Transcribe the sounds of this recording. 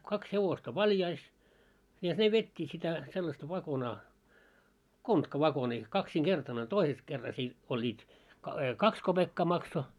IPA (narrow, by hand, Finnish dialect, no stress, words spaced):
kɑks heʋostɑ ʋɑljɑis jɑ ne ʋetʲːiːt sitæ selːɑstɑ ʋɑkonɑː kontkɑʋɑkoniː kɑksiŋɡ̊ertɑn olʲ toises kerːɑs i olʲːiːt kɑ kɑks kob̥ekːɑː mɑkso